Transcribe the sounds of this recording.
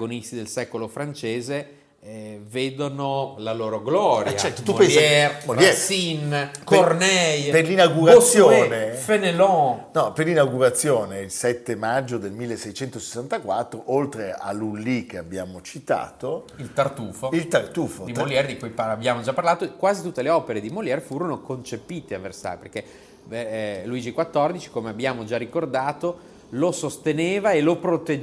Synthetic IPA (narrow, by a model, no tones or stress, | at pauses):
ɡonist̪id̪elsɛkolofɾant͡ʃeːze | veːd̪onolaloːɾoɡlɔːɾat͡ʃɛɾt̪ot̪upesɛɾolɛsinkornɛjperlinaɡuɾasːjoːnefenelɔnɔperlːinaɡuɾat̪sːjoːneilsɛt̪ːemad͡ʒːod̪elmilːesːɛjt͡ʃɛnt̪ose̥sːant̪akwat̪ːɾoʔolt̪ɾea̰lːulːikeabjaːmot͡ʃit̪a̰ːt̪o | ilt̪art̪uːfoilt̪art̪uːfod̪imoljɛɾd̪ikujpaabjaːmod͡ʒapːaɾrlaːt̪okwaːzit̪ut̪ːeleɔːpeɾed̪imoljɛɾfuːɾonokont͡ʃepiːt̪eavːersa̰jperke | luiːd͡ʒikwat̪ːɔrd̪it͡ʃi̥komeabːjaːmod͡ʒarikord̪aːt̪o | losost̪eneːvaelopɾot̪e